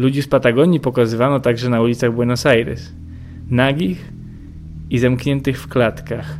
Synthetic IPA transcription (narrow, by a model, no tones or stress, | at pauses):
lud͡ʑispat̪aɡɔɲipɔkazɘvanɔt̪aɡʐɛnaulʲit̪saɣbwɛnɔsajɾɛ̰s | naɡʲix | izamkɲɛnt̪ɘxfklat̪kax